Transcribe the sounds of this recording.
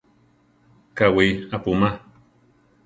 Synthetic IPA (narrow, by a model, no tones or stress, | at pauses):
kawiapuma